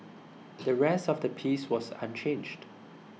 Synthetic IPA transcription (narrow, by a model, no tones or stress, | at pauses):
dəɹɛsɔfdəpʰiswɔsã̰nt͡ʃʰẽnd͡ʒd